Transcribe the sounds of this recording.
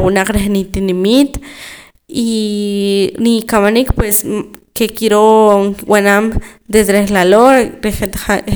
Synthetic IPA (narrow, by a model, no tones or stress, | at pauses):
wunaq͡χɾeχnit̪inimit̪ | i | nikamanikpweskekiɾowʔanamd̪esd̪eɾeχlaloɾeχet̪aa